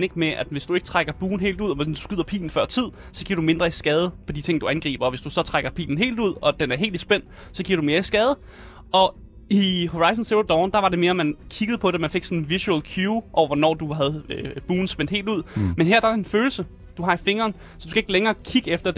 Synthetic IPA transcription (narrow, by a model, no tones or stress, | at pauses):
neɡ̥meʔæd̥ʋe̝sd̥ue̝ɡ̥t͡sʰʁaɡ̥ɐb̥uːn̩ɦe̝̰ːld̥uð̞̰ˠɒʋesd̥u̥skyð̰ˠɐpʰḭːln̩fɶɐ̰t͡sʰið̞̰ˠ | sɒ̽ɡḭɐɾ̥ume̝nd̥ʁɐisɡ̥ɛːð̞ˠəpʰɒ̽d̥it͡sʰe̝ŋ̰d̥uænɡ̥ʁḭːb̥ɐɒ̽ʋe̝sd̥usɒ̽t͡sʰʁaɡ̥ɐpʰḭːln̩ɦe̝̰ːld̥uð̞̰ˠɒ̽d̥enæɐɦe̝ːld̥isb̥en̰d̥ | sɒ̽ɡ̥ḭɐɾ̥ume̝ːɐisɡ̥ɛːð̞ˠə | ʔɒ̽ | iho̝ʁɑ̈ɪs̬ən̩seob̚d̥ɒʊnd̥ɑ̈ʋɑ̈ɾe̝me̝ːɐmænkʰiɡ̥ðˠpʰɒ̽d̥emænfe̝ɡ̥sɒ̽nn̩ʋisuelkʰjuːʔɒʊɐʋɒnɒ̰ːd̥uɦæð̞ˠøb̥uːn̩sb̥en̰d̥he̝̰ːlduð̰ˠmenɦeɐ̰d̥ɑenføːl̩sə | d̥uɦɑ̈ife̝ŋɐːn | sɒd̥u̥skʰæe̝ɡ̥leŋɐːkʰiɡ̥əefd̥ɐ